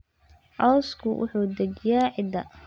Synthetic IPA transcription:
ʕɔwskʰʊwʔʊ̰ħuːd̪ɛd͡ʒjaːʕɪd̪ɐ̰

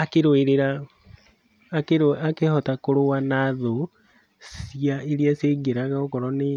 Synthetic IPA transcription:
akeɾoeɾeɾa | keɾakehɔtakoɾowanaðo | siaeɾiaseɡeɾaɣaokɔɾɔne

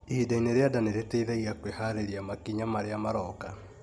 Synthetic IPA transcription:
idaineɾeadaneɾeteiðɛiɣakwehaɾeɾiamakiɲamaɾeamaɾɔka

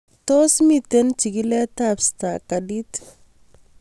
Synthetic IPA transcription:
tosmitent͡ʃiɡiletapstakadit

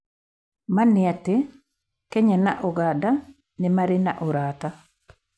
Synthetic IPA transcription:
manːɪatːe | kɛɲanaʔɔɡada | nimaɾɪna̰ʔoɾata

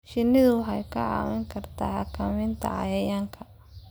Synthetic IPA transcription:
ʃɪnɪðʊħɑjkʰɐʕɑ̰ːwɐŋkʰɐrt̪ʰaħɑkʰɐmɪnt̪ʰɐ̰ʕɑ̰jɐjaːŋkʰɐ

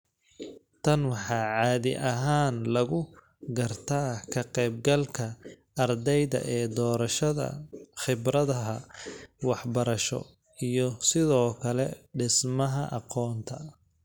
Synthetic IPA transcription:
t̪ʰɐnwɑħɑːʕɑːðɪ̰ʔɐɦaːnlɐɣʊ | ɡɐrt̪ʰaːkʰɐqɛːb̚ɡɐlkʰɐ | ɐrd̪ɛjðɐ̰ʔɛːd̪ɔːɾɐʃɐðɐ̰χɪbɾɐðɐɦɐwɑħbɐɾɐʃɔ̰ | ijɔsɪðɔːkʰɐlɛɖɪsmɐɦɐʔɑ̰qɔːnt̪ʰɐ

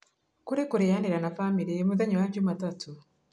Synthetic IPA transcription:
kuɾekuɾejaniɾanafamiɾimuðaɲiwaɲɟumatatʰu

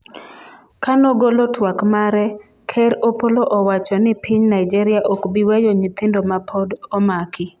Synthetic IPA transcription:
kanɔɡolotwakmaɾɛ | kʰɛɾopoloʔɔwat͡ʃɔnɪpʰɪɲnaid͡ʒɛɾɪaʔokbiwejoɲit̪ɪndomapʰodɔmakɪ

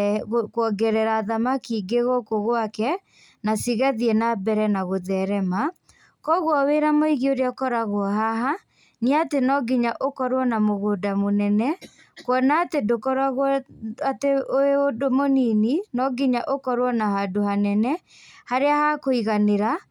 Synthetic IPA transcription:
okwɔɡɛɾɛɾaðamakiːɡeɣɔkoɣwakɛ | nasiɣaðiɛnabɛɾɛnaɣoðɛɾɛma | kɔɣwɔweɾamoiɣioɾeaɔkɔɾaɣwɔɦaɦa | niatenɔɡiɲaʔokɔɾwɔnamoɣodamonɛnɛ | kwɔnaːtedokɔɾaɣɔateʔoeodomonininɔɡiɲaʔokɔɾwɔnahadohanɛnɛ | haɾeahakoiɣaneɾa

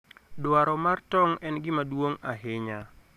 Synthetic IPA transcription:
dwaɾɔmartɔŋɛnɡɪmadwoŋaɦɪɲa

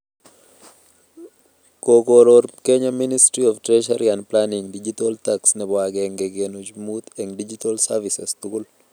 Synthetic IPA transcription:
kokoɾoɾkeɲaministɾiɔftɾɛʃaɾianplaniŋdid͡ʒit̪olt̪aksnɛbwaɡɛŋɡɛɡenod͡ʒmut̪ɛŋdid͡ʒit̪alsavisɛst̪uɡul

